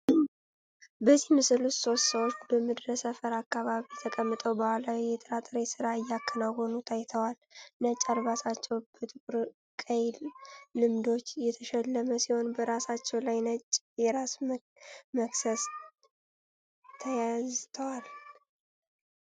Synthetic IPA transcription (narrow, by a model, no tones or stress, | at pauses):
bəzimɨsɨlut̪so̞st̪səwot͡ʃːbəmɨd̪ɾəsəfəɾakːaβaβit̪ʰəkʼəmːɨt̪ʼəwbahalawijɛt̪ʼəɾat̪ʼəɾesɨɾaɨjːakʰːənawhonut̪ʰajt̪ʰəwalnət͡ʃʼalβasat͡ʃːɛwb̥ət̪ʰɨkʼɾ | kʼəjllɨmd̪o̞t͡ʃːjɛt̪ʰəʃɛlːəməsiho̞nbəɾasat͡ʃːɛwlajn | jɛɾas | məksəs | t̪ʰəjazt̪ʰəwal